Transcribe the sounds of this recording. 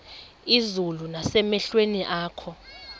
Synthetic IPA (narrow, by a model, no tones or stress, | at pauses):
izulunasɛmɛɬweniʔaːkʰɔ